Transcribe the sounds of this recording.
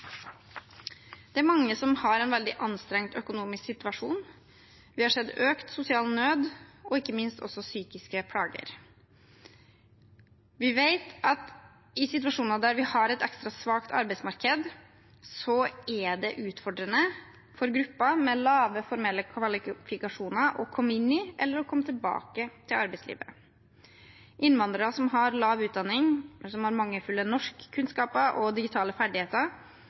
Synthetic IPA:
d̪̥ɛæɾmɑŋːəsɔmhɑɾɛɪnʋɛld̪ɪʔɑnst̪ɾɛŋt̪œkʊnuːmɪsksɪt̪ʉɑʂuːn | ʋɪhɑʂɛd̪øːkt̪sʊsɪɑːlnøːd̪ɔɪkːəmɪnst̪ɔ̰sːɔsyːkɪskəpʰɽɑːɡə̰ɾ | ʋɪʋeɪt̪ɑt̪ | ɪsɪt̪ʉɑʂuːnɑd̪æɾʋɪhɑɾɛt̪ɛkst̪ɾɑsʋɑːkt̪ʰɑ̰ɾbɛɪsmɑɾkəd̪ | sɔæd̪ɛʔʉːt̪fɔɖɾənə | fɔɾɡɾʉpːɑmɛlɑːʋəfɔɾmɛlːəkʰʋɑlɪfɪkɑʂuːnɑɾʔɔ̰kʰɔmːɪnːɪʔɛlːəɾɔkʰɔmːət̪ʰɪlbɑ̰ːkət̪ʰɪlɑɾbɛɪtslḭːʋə̰ɾə | ʔɪnːʋɑnd̪ɾəɾəsɔmɦɑɾlɑːʋʉːt̪̚d̪ɑnɪŋsɔmhɑɾmɑŋːəfʉlːənɔʂkʰːʉnskɑːpəʔɔd̪ɪɡɪt̪ʰɑːləfæɖɪheːt̪əɾ

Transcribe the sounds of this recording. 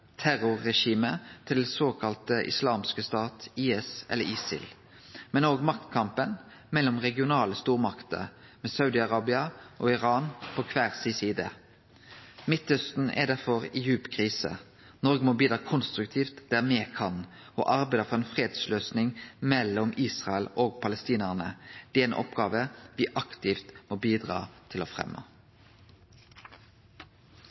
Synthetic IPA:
t̪ʰæɾʊʁːɛʃiːmət̪ʰɪld̪ɛsoːkʰɑlt̪əʔɪ̰slɑːmskəst̪ɑːt̪iːɛsʔɛ̰lːə̰ɾɪːsɪ̰l | mɛnoːɡmɑk̚t̪kʰɑmpən | mɛlːɔmʁɛɡɪʊnɑːləst̪uːʁmɑkt̪ə̰ | mɛːsɑʉd̪ɪɑʁɑːbɪɑʔoɪʁɑːnpʰɔkʰʋæːʁsisiːd̪ə̰ | mɪt̪œst̪n̩ʔɛ̰d̪æɾfɔʁɪjʉːpkʰʁiːsə̰ | nɔʁɡəmoːbiːd̪ʁɑːkʰʊnst̪ʁʉkt̪ʰiːft̪d̪̥æːʁmeːkʰɑn | o̰ːʔɑʁbæɪd̪əfɔʁɛnfʁeːd̪sløːsnɪŋmɛlːɔmiːsʁɑəloːɡpʰɑləst̪iːnəʁnəd̪̥ɛɛnʔɔ̰pɡɑːʋəʋɪːʔɑkt̪ɪft̪moːbiːd̪ʁɑ̰ːt̪ʰɪlɔfʁɛ̰mʔə̰

